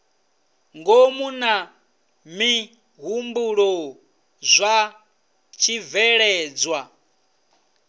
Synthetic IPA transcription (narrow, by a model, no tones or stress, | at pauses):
ŋɡomuna | mi | ɦumbuɺɔ | zʷa | t͡ʃʰivɛɺɛːd͡zwa